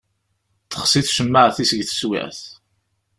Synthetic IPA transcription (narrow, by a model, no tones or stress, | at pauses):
θə̥χsiθʃəmːaʕθisəɡθə̥swḭʕθ